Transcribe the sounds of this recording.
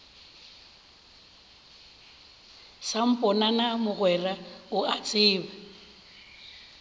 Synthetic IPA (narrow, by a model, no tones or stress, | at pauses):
sam̩pʼɔnanamʊɣwɛraʊat͡sʼɪːba